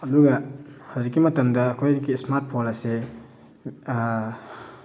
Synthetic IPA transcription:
ɐduɡɐhawzikːimɐtɐmdɐːkʰojɾiɡismaɾt̚pʰolase

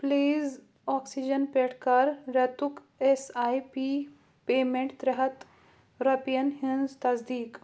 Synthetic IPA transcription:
pliːz | ɔːksid͡ʒənpeʈʰkaɾɾɐt̪uk | esajpi | pemẽɳʈd̪ɾɐɦɐt̪ | ɾɐpijɐnhĩnzt̪ɐzd̪iːk

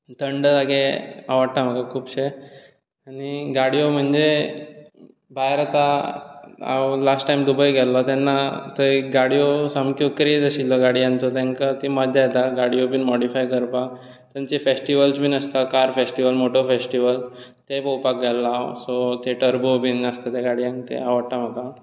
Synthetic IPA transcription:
t̪əɳɖaɡea̰ʋaɽt̪am̤əɡakʰuːpɕe | aɽ̃iɡaɽijom̤əɳd͡ze | bʱaɦeɾat̪a | a̰wlasʈʈajmd̪ubəjɡɛlːɔt̪anːat̪əɡaɽijosəmkjokkəɾijed͡zəɕilːɔɡaɽiãnt̪ɔt̪ãŋkat̪iməd͡ʑajt̪aɡaɽijobinmɔɽifajkəɾpa | t̪ãt͡ɕefesʈiʋəlsbinəst̪akaɾfesʈiʋəlmoʈofesʈiʋəl | t̪epɔwpak̚ɡalːasot̪eʈəɾbobinəst̪at̪eɡaɽiãnt̪ḛaʋəɽʈ̪am̤əka

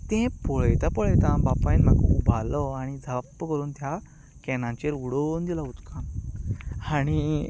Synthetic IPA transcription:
t̪ɛ̃pɔɭjt̪apɔɭəjt̪ãbapainmakubʱalɔaɽ̃id͡zʱapːəkəɾuːnt̪ja | kɛnãɲt͡ɕeɾuɽond̪ilaut̪kʰãn | aɽ̃i

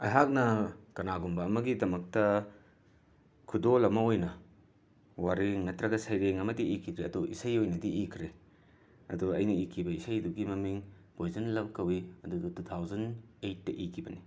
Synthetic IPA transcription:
ɐ̰jɦak̚nɐkɐnaɡumbɐːmɐɡidɐmɐk̚tɐ | kʰudolɐmɐojnɐ | waɾeŋnɐtɾɐɡɐsɐjɾeŋɐmɐdiikʰidɾeɐduḭsɐjojnɐdiʔikʰɾe | ɐ̰duɐjnɐikʰibɐisɐjduɡimɐmiŋ | b̥ojzɐnlɐp̚kɐwiɐdudutut̪ʰawzɐnejt̚ːɐʔikʰibɐni

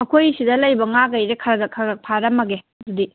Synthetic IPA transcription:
mɐkʰojsidɐlɐjbɐŋaɡɐjɾekʰɐɡɐkʰaɡɐk̚pʰaɾɐmɐɡe | dudi

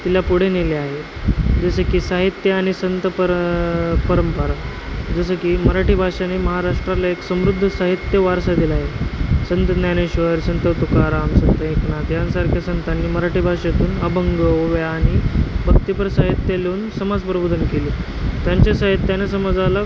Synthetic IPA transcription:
t̪iljapuɽ̤eneleaɦed͡zəsəkiːsaɦit̪jəaɽ̃isənt̪əpə | pəɾəmpəɾa | d͡zəsəkiːməɾaʈiːbʱaʂaniməɦaɾaʂʈɾalaeksəmɾud̪ʱːəsaɦit̪jəʋaɾsad̪ilaɦesənt̪ənjaneɕʋəɾsənt̪ət̪ukaɾamsənt̪əekɳat̪jansaɾkʰjasənt̪anːiːməɾaʈiːbʱaʂat̪uːnəbəŋɡəoʋjaːɽ̃ibʱəkt̪ipəɾsaɦit̪jəluːnsəmad͡zpɾəbud̪ʱənkeli | t̪jaɲt͡ɕasaɦit̪janesəməd͡zala

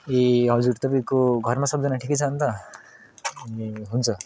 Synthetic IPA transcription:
eɦʌd͡zuɾt̪ʌbikoɡʱʌɾmasʌbd͡zʌnaʈʰiket͡sʰant̪a | eɦunt͡sʰʌ

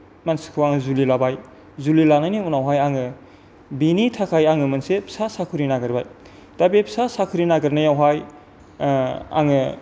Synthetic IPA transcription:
mansɯ̥kʰɯwaŋɯzulilabaj | zulilanajniunawɦajaŋɯ | binitʰakʰajaŋɯmɯnsepʰsasakʰɯɾinaɡɯɾbaj | tabepʰsasakʰɯɾinaɡɯɾnajawɦaj | a̰ŋɯ

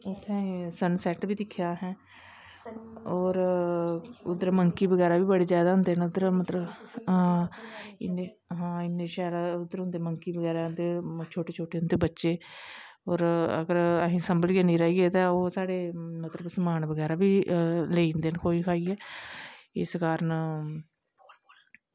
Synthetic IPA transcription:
ʊt̪ʰːɛ̃ːsənsɛʈbʱiːd̪ɪkʰːjaːɦɛ̃ː | ɔːɾ | ʊd̪əɾməŋkiːbəɡɛːɾaːbiːbəɽeːzjaːd̪aːɦʊnd̪eːnʊd̪əɾmət̪ləb | ɪne | ɦãːɪnːeːʃaːlaʊd̪ːəɾɦʊ̃nd̪eːməŋkiːbəɡɛːɾaːnt̪et͡ʃʰoːʈeːt͡ʃʰoːʈeːʊnd̪eːbətːʃeː | oːɾə̰ɡəɾəɦĩːsəmbəlieːnĩːɾɛːiːɡɛːt̪ãːoːsaːɽeːmət̪ləbsəmaːnbəɡɛːɾaːbiːleːind̪eːnkʰoːiːkʰaːiːɛː | ɪ̰skaːɾən

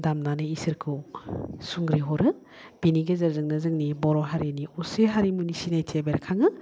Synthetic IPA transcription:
damnanɯisɯɾkʰɯ | suŋɡɾiɦɔɾɯ | b̥iniɡezɐɾzɯŋnɯzɯŋnibɔɾɔɦaɾiniuseɦaɾimunisinajtʰebeɾkʰaŋɯ

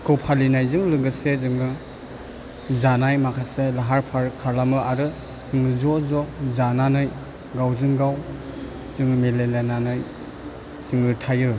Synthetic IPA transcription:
kʰɯwpʰalinajzɯŋɾɯŋɡɯsezɯŋɯ | zanajmakʰaselaɦaɾpʰaɾkʰaɾlamɯaɾɯ | sɯŋɯzɔzɔzananɯj | ɡawzɯŋɡaw | z̥ɯŋɯmelelenanɯj | sɯŋɯtʰajɯ

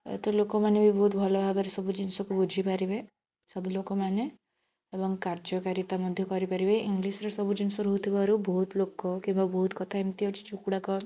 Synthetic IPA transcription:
ḛt̪ɔlokɔmanebibɔɦut̪bʱɔlɔbʱabaɾesɔbud͡ʒinsɔkubud͡ʒʱipaɾibe | sɔbulokɔmane | ebɔŋkaɾd͡ʒɔkaɾit̪amɔd̪ʱjɔkɔɾipaɾibeiŋɡlisɔɾesɔbud͡ʒinsɔɾoɦut̪ʰibaɾubɔɦut̪lokɔkĩmbabɔɦut̪kɔt̪ʰaemt̪iɦɔt͡ʃʰi̥t͡ʃukuɽakɔ

